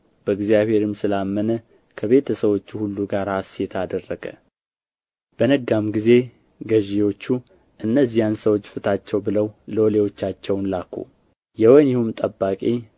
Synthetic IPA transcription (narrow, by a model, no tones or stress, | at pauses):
b̥əɨɡzjaβhe̞ɾɨmsɨlamːənə | kʰəβe̞t̪ʰəsəβo̞t͡ʃːuhulːuɡaɾasjɛt̪ʰad̪ərːəɡə̰ | b̥ənəɡːamɡize̞ | ɡəʒewo̞t͡ʃːu | ʔɨnːəzːijansəwo̞t͡ʃːfɨt̪ʰat͡ʃːɛwbɨləwlolewo̞t͡ʃːat͡ʃːɛwnlakʰːṵ | jɛwonjɪhumt̪ʼəbːakʼi